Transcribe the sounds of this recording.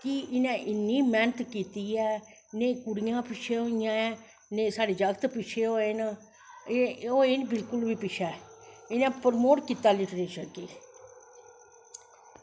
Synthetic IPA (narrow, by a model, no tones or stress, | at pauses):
kɪɪnɛ̃ːʔɪnːiːmɛːnət̪kiːt̪iːɛː | neːkʊɽɪjãːpɪt͡ʃʰeːɦoːɪjãːɛː | neːsaːɖeːd͡ʒəɡət̪pɪt͡ʃʰeːɦoːen | oːenbɪlkʊlʋiːpɪt͡ʃʰɛːɪnɛ̃ːpəɾmoːʈkiːt̪aːlɪʈɾeːʃəkeː